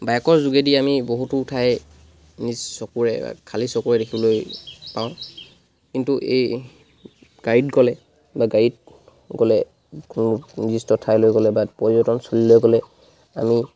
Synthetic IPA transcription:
bajkɔɹzuɡɛdiamiboɦututʰaj | nizsɔkuɹɛba̰kʰalisɔkuɹɛdekʰibɔlojpaʊ̃ | kintuʔḛj | ɡ̥aɹidɡɔlɛ | baɡaɹit̚ | ɡɔlɛ | kununizistɔtʰajlojɡɔlɛbapɔɹibɔtɔnsulilojɡɔlɛ | ami

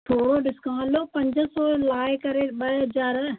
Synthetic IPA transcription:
ʈ̪ʰoːɽoɖɪskãːlopɐ̃ɲd͡ʑə̆sɔːlaːɪkɐɾeɓɐɦɐzaːɾ

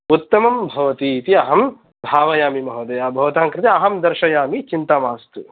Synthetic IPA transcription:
ut̪ːɐmɐmbʱɐʋɐt̪iːt̪iɐɦɐm | bʱaːʋɐjaːmimɐɦɐd̪ɐjaːbʱɐʋɐt̪aːŋkɾɪt̪iɐɦɐmd̪ɐɾʃɐjaːmit͡ʃint̪amaːst̪u

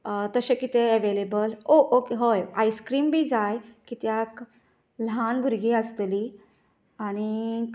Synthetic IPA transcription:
t̪əɕekit̪eəʋelebəloʔokeɦojajskɾiːmbʱiːd͡zajkit̪jak | lanɡʱuɾɡiːəst̪li | aɽ̃i

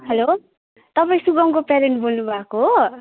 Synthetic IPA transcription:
ɦʌlo | t̪ʌpaĩsuɡʌŋkopeɾeɳʈbolnubʱakoɦo

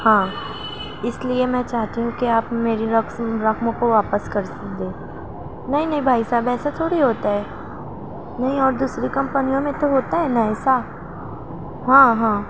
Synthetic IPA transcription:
hãː | ɪsliemɛ̃t͡ʃaːɦt̪iɦũkiaːpmeːɾiɾɐkɾɐkmõkoʋaːpəskɐɾsɐk̚d̪ẽː | nɐɦĩnɐɦĩbʱaːisaːbɛːsat̪ʰoːɽiɦoːt̪aɦɛː | nɐɦĩɔːɾd̪uːsɾikɐ̃mpənijõmẽt̪oɦoːt̪aɦɛnɐɦĩsaːb | ɦãːɦãː

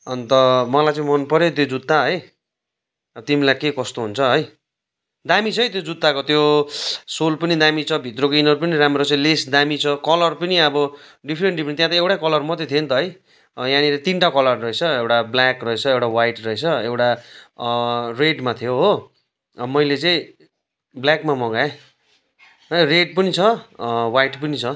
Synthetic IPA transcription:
ʌnt̪ʌmʌlajt͡sãĩmʌnpʌɾjet̪̬jod͡zut̪ːaɦʌj | ʌbʌt̪imilajkekʌst̪oɦunt͡sʰʌɦʌj | d̪amit͡sʰʌjt̪jod͡zut̪ːakot̪jo | solpʌnid̪amit͡sʰʌbʱit̪rokoinʌɾupʌniɾamrot͡saĩlesd̪amit͡sʰʌkʌlʌrpʌniʌbʌ | ɖipʰɾeɳʈɖipʰrent̪jãt̪ʌewʈakʌlʌrmʌt̪et̪ʰient̪ʌɦʌj | jãniɾat̪inʈakʌlʌrːʌet͡sʰʌewʈablakrʌet͡sʰʌewʈawajʈrʌet͡sʰʌewʈa | reɖmat̪ʰijoɦo | mʌjlet͡sʌĩ | bljakmamʌɡae | ɦʌreɖ̚pʌnit͡sʰʌwajʈpʌnit͡sʰʌ

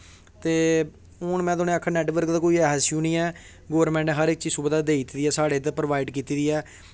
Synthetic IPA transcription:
t̪eː | ʊɳmɛ̃ːd̪oːnẽːakʰːaːnɛːʈʋəɾkd̪aːkoːiːɛːɦsjũːnĩːɛː | ɡoːʋəɾmɛ̃ːɳʈnẽːɦəɾɪk̚t͡ʃiːsuːbd̪aːd̪eːiːt̪iːd̪iːɛːsaːɽeːt̪̬epɾəʋaːiɖkiːt̪iːd̪iːɛː

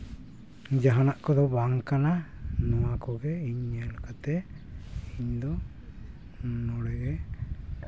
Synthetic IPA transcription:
d͡ʒaɦanaʔkɔd̪ɔbaŋkananɔwakɔɡɛiɲɛlakat̪ɛ | iɲd̪ɔ | nɔɽɛɡɛ

